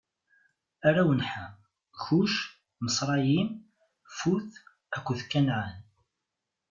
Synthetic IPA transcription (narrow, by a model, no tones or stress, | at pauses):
æɾawənħa | çuʃ | məsˤɾˤɑjim | fuθ | ækʷːəðkːænʕan